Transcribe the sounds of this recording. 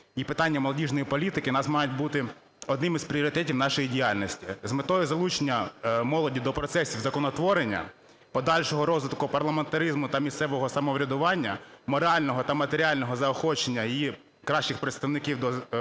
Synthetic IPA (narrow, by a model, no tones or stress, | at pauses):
ipɪt̪ɑnʲːɐmɔlˠɔdʲiʒnɔjipɔlʲit̪ɪkɪnɑsmɑjʊt̚ʲbut̪ɪ | ɔd̪nɪmizpɾʲiɔɾɪt̪ɛtʲiwnɑʃɔjidʲijɑlʲnɔsʲtʲizmɪt̪ɔjɔzɐlˠut͡ʃenʲːɐmɔlˠɔdʲid̪ɔpɾɔt̪sɛsʲiwzɐkɔnɔt̪ʋɔɾenʲːɐ̰ | pɔd̪ɑlʲʃɔɦɔɾɔzʋɪt̪kʊpɐrlˠɐment̪ɐɾizmʊt̪ɐmʲist̪sɛʋɔɦɔsɐmɔʋɾʲɐd̪ʊʋɑnʲːɐmɔɾɑlʲnɔɦɔt̪ɐmɐt̪eɾʲiɑlʲnɔɦɔzɐɔxɔt͡ʃenʲːɐi | kɾɑʃt͡ʃɪxpɾet̪st̪ɐwnɪkʲiwd̪ɔ